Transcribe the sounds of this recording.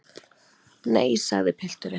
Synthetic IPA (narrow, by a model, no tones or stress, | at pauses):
neːjsa̰ɣðɪpʰɪl̥t̪ʏɾɪ